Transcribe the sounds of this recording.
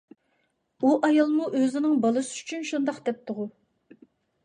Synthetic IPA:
uʔɑjɑlˠmuʔøzɪnɪŋbɑlˠɨsɪyt͡ʃʰynʃund̪ɑqd̪ɛp̚t̪ʰʊʁu

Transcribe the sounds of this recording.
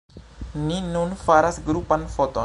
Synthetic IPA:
ninunfaɾasɡɾupanfɔt̪ɔ

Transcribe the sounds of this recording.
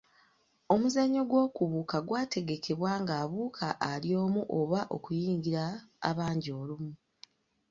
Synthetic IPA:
o̞muzaɲːo̞ɡwo̞ːkuβuːkaɡwaːtʰe̞ɡe̞kʰe̞βwaːŋɡaːβuːkʰaʔːlio̞ːmuʔo̞βaʔo̞kujiːŋɡiɾa̰ːβaːɲɟio̞ːlumu

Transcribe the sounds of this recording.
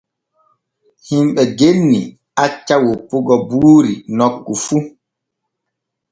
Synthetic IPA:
himɓɛɡenːi | at͡ʃːawopːoɡɔbuːɾinɔkːufu

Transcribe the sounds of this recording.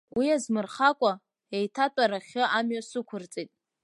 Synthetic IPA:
wiazmɨrχakʷʼa | ejtʰatʷʼaɾaχʲɪʔamɥasɨkʷʰʊrt͡sʼitʼ

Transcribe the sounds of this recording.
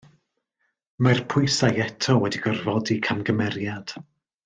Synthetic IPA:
marpʰʊɨsajɛtʰɔwɛdiɡərvɔdikʰamɡəmɛɾjad̥

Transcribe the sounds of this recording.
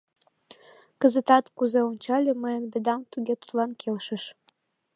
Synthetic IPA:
kəzət̪ɑt̪kuzeonʲt͡ɕɑlʲeməjənbĕd̪ɑmt̪yɣʲet̪u̥t̪lɑnkelʃə̆ʃ

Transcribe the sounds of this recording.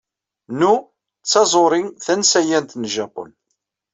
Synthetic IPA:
nu | t͡sːɑzˤoɾˤiŋθænsæjænt̪nʒæpo̰n

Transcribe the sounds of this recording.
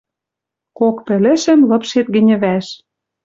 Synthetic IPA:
kokpɘ̆lɘ̆ʃɘ̆mlɤ̆pʃet̪̚ɡɘ̆nʲɘ̆βæʃ

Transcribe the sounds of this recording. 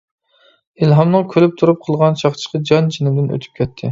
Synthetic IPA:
ilɦɑmnɨŋkʲʰølyp̚t̪ʰuɾup̚qʰəlˠʁɑnt͡ʃʰɑχt͡ʃʰə̥qɑd͡ʒɑnt͡ʃʰinɪd̪ɪnø̰t̪ʰy̥p̚kʲɛt̪ʰːɪ̰

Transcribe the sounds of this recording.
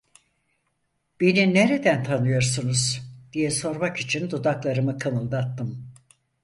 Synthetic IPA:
b̥enineɾed̪ænt̪ʰanɯjo̞ɾsunuz̥d̪̥ijɛso̞ɾmakit͡ʃʰind̪ud̪aklˠaɾɯmɯkʰamɯlˠd̪at̪ːɯm

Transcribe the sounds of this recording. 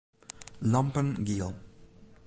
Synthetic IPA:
lampənɡiːlˠ

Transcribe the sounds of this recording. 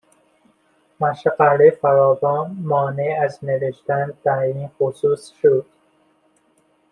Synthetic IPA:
mæʃqælefæɾɒːvɒːnmɒːneæzneveʃt̪ænd̪æiːnxosuːsʃod̪̥

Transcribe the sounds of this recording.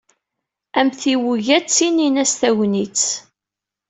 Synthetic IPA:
æmθiwuʝæt͡sːininæst̪æwnit͡s

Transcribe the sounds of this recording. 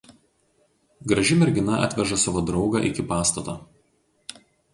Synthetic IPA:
ɡɾɐʒʲɪmʲɛɾʲɡʲɪnɐʔɐ̰t̪ʲʋʲɛʒɐsɑːʋoːd̪ɾɒʊɡɐ̰ʔɪ̰kʲɪpɑːst̪ɐt̪ɐː

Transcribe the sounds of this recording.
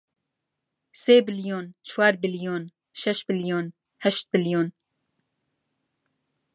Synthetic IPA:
seːbɪljoːnt͡ʃʰwaːɾbɪljoːn | ʃɛʃ̚bɨljoːn | hɛʃt̪̚bɪljoːn

